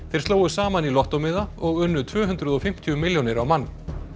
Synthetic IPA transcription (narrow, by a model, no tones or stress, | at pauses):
θejɾ̥st̪oːwʏsaːmanilɔht̪ɔmɪðaɔɣʏnːʏt̪ʰvœːɦʏnt̪ɾʏðɔfɪm̥t̪ʰiʏmɪljɔnɪɾawmanː